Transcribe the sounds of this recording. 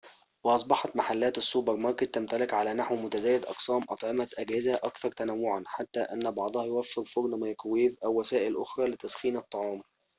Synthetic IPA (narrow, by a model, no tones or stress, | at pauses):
wɑʔɑsˤbɑħɑt̪maħalːæːt̪ɪsːuːbɑɾmɑɾˤkɪt̪ːæmt̪ælɪkʕalæːnaħwmʊt̪æzæːjɪd̪ʔɑ̰qsˤæːmʔɑt̪ˤʕɑmæt̪ʔæɡhɪzæʔɑkθɑɾˤt̪ænæwːʊʕanħat̪ːæːʔænːæbɑʕd̪ˤɑhɑjʊwæfːɪɾfʊɾnmɑjqwiːvʔæwːæsæːʔɪlʔʊ̰xɾˤɑːlɪt̪æsxiːnɑt̪ˤːɑʕɑːm